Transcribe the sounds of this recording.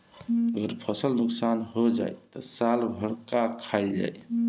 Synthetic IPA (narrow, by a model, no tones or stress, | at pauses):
əɡəɾpʰəsəlnuksanɦod͡ʒa̰jt̪ɔsalbʱəɽkakʰaɪld͡ʒa̰j